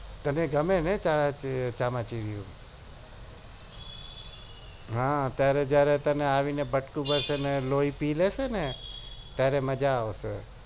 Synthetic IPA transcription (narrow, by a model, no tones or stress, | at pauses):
t̪əneɡəmenẽt͡ʃaɭãt͡ʃt͡ʃamãt͡ʃiʋijṵ̃ | ɦãt̪jaɾed͡ʒjaɾet̪əneaʋinebəʈkũbəɾseneloipilesenet̪jaɾeməd͡ʒaːʋʃe